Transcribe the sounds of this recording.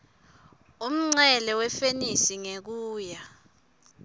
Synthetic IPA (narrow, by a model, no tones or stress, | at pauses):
um̩ŋ͡ǀɛlɛwɛfenisiŋek̬uːja